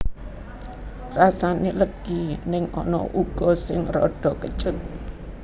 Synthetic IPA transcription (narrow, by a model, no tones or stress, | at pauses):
rasaneləɡ̥inɪŋɔ̰nɔ̰ʔuɡ̥ɔ̤sɪŋrɔ̰ɖ̥ɔkət͡ʃʊt̪̚